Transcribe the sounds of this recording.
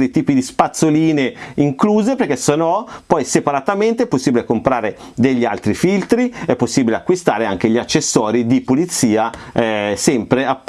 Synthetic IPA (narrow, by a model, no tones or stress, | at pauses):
ɾit̪iːpid̪ispat̪sːoliːneiŋkluːzeperk̟ɛsonɔpɔjsepaɾat̪ament̪eɛpːosːiːbilekompɾaːɾe | d̪eʎːialt̪ɾifilt̪ɾiɛpːosːiːbileakːwist̪aːɾeaŋk̟eʎiat͡ʃːesːɔːɾid̪ipulit̪siːaɛsɛmpɾeap